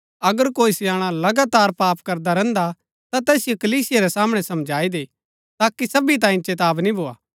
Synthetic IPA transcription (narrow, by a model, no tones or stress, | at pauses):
ɐɡəɾkoːisɪjaːɽ̃alɐɡaːt̪aːɾpaːpkɐɾd̪aɾɛ̃nd̪a | t̪at̪ɛːsɪjokɐliːsɪjaɾɛsaːmɽ̃ɛsɐmd͡ʒʱaːid̪e | t̪aːkisɐbit̪̬ãːĩt͡ʃeːt̪aːbnĩbʱoːa̰ː